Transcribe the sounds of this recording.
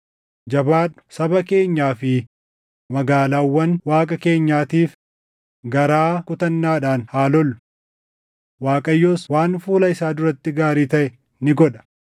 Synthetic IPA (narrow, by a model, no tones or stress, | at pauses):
d͡ʒɐbaːᶑʊ̥sɐbɐke̞ːɲːaːfɪ | mɐɡaːlaːwːɐnwaːkʼɐke̞ːɲːaːt̪iːf | ɡɐɾaːkʊt̪ɐnːaːᶑaːnhaːlɔlːʊ̥ | waːkʼɐjːoːswaːnfuːlɐɪsaːd̪ʊɾɐt̪ːɪɡaːɾiːt̪ɐʔɛ | nɪɡɔᶑɐ̥